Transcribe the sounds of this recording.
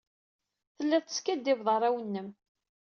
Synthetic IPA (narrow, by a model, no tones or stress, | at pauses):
θəlːæðt̪ə̥skæd̪ːɪvðˤəɾˤæwənːəm